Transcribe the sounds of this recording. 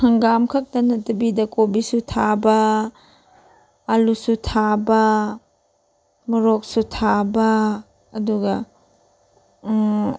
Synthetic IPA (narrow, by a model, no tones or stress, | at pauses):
hɐŋɡamkʰɐk̚dɐnɐtɐbidɐkobisutʰabɐ | lusutʰabɐ | mɐɾok̚sutʰabɐː | duɡɐ